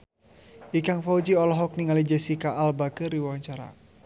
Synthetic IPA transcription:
ʔikaŋfaud͡ʒiɔlɔɦɔk̚niŋalid͡ʒɛsikaʔalbakəɾiwawaɲt͡ʃaɾa̰

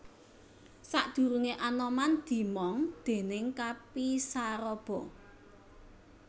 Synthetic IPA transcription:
saʔd̪̥ṳɾuŋeʔanɔmand̪̥i̤mɔŋd̪̥e̤nɪŋkapisaɾɔb̥ɔ̤

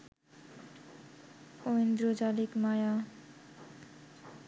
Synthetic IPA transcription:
oind̪ɾod͡ʒalikmaja

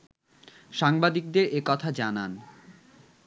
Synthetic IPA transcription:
ʃaŋbad̪ik̚d̪eɾekɔt̪ʰad͡ʑanan

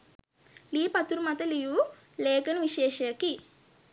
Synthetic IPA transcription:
liːpɐt̪uɾumɐt̪ɐliju | leːkɐnuʋiʃeːʃɐɐki

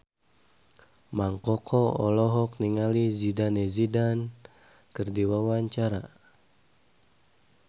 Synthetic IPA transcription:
maŋkɔkʰɔɔ̰lɔɦɔk̚niŋalizidanezidan | kɨrdiwawaɲt͡ʃaɾa̰

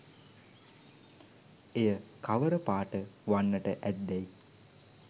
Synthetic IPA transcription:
ejəkaʋəɾəpaːʈəʋanːəʈəʔæd̪ːæj

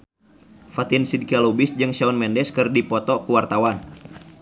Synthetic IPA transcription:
fat̪insid̚kialobɪsd͡ʒɨŋʃaɔnmɛndɛskɨrdipɔt̪ɔkuwart̪awan

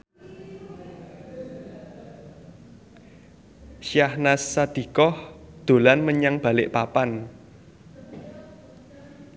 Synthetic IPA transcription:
ʃjahnasːad̪̥i̤kɔhd̪̥o̤lanməɲaŋb̥a̤lɪʔpapan

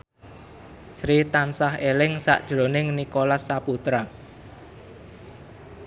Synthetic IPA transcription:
sɾit̪ansahelɪŋsa̰ʔd̥ʒ̥ɾo̤nɪŋnikolasːaput̪ɾa

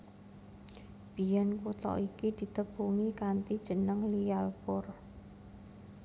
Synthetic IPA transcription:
b̥i̤jɛnkut̪ɔ̰ʔikid̪̥i̤t̪əbuŋikant̪id̥ʒ̥ə̤nəŋlijalpʊr

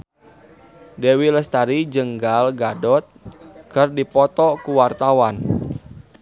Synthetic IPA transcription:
dewiləst̪aɾid͡ʒəŋɡalɡadɔt̪̚kərdipɔt̪ɔkuwart̪awan

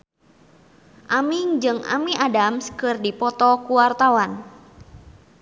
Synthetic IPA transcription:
ʔamiŋd͡ʒɨŋa̰miʔadamskɨrdipɔt̪ɔkuwart̪awan

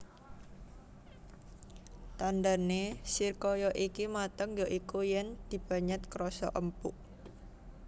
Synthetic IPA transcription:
t̪and̪anesirkɔjɔʔikimat̪əŋjɔʔikujɛnd̪̥i̤b̥a̤ɲət̪̚kɾɔsɔ̰ʔəmpuʔ

